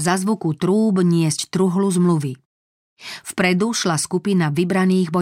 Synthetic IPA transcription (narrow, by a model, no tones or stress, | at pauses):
zazʋukut̪ɾuːbɲɪɛsct̪ɾuɦluzmluʋi | fpɾɛd̪uʃlaskupinaʋibɾaniːɣbɔ